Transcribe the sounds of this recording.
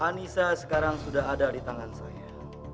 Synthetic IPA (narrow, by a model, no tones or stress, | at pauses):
anisasə̥kaɾaŋsudaɦadadit̪aŋansaja